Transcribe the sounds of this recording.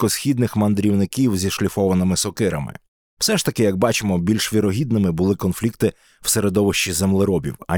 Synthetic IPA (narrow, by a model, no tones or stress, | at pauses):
ɔsxʲid̪nɪxmɐnd̪ɾʲiwnɪkʲiwzʲiʃlʲifɔʋɐnɪmɪsɔkɪɾɐ̰mɪ̰ | w̥sɛʃt̪ɐkɪjɐɡ̚bɑt͡ʃɪmɔbʲilʲʃʋʲiɾɔɦʲid̪nɪmɪbʊlˠɪkɔnflʲikt̪ɪ | w̥seɾed̪ɔʋɪʃt͡ʃizemlˠɪɾɔbʲḭwɐ̰